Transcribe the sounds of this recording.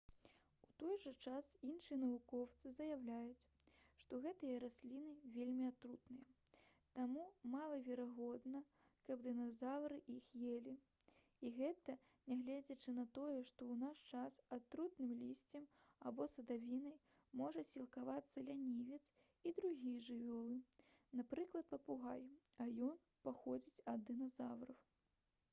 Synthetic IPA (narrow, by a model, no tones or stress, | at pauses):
ut̪ɔjʐɐt͡ʂasinʂɨjɛnɐvukɔwt̪sɨzɐjawlʲajut͡sʲʂt̪ɔɣɛt̪ɨjɐɾasʲlʲinɨvʲelʲmʲiat̪ɾut̪nɨjɐt̪amumalˠɐvʲɛɾaɣɔd̪nɐ | kɐbd̪ɨnazavɾɨʔixjelʲi | iɣɛt̪ɐ | nʲaɣlʲɛd͡zʲɐt͡ʂɨnɐt̪ɔjɛʂt̪ɔwnast͡ʂasat̪ɾut̪nɨmlʲisʲt͡sʲɐm | abɔsɐd̪avʲinɐj | mɔʐɐsʲilˠkavat̪sːɐlʲanʲivʲɛt̪s | id̪ɾuɣʲijʐɨvʲɔlˠɨnapɾɨklˠɐt̪̚pɐpuɣajɐjɔn | paxɔd͡zʲit͡sʲɐd̪ːɨnazawɾɐw